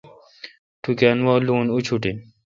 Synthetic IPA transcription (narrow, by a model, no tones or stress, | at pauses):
ʈukʲanwɔːluːnut͡ɕʰuʈi